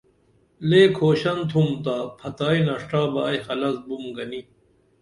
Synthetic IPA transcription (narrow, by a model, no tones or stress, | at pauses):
leːkʰoːɕɐnt̪ʰumt̪aːpʰɐt̪aːinɐʂʈaːbaːjhɐlɐzbumɡɐni